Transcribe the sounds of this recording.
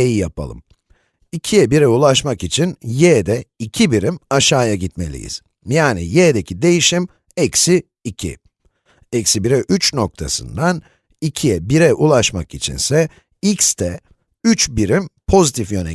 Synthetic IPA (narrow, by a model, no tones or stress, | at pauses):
ejijapʰa̰lˠɯ̰m | icʰijɛbiɾɛulˠaʃmakit͡ʃʰinjɛːd̪ɛicʰibiɾimaʃaːjaɟit̪me̞̰lʲḭjḭz̥ | jaːnḭjɛːd̪ecʰid̪e̞jiʃim | ɛcsiː | cʰḭ | ɛcsibiɾɛʔyt͡ʃno̞k̚t̪ʰa̰sɯ̰nd̪an | icʰijɛbiɾɛʔulˠaʃmakit͡ʃʰḭnsɛ | ikst̪ʰɛ | yt͡ʃbiɾimpʰo̞zit̪ʰifjø̞nɛ̰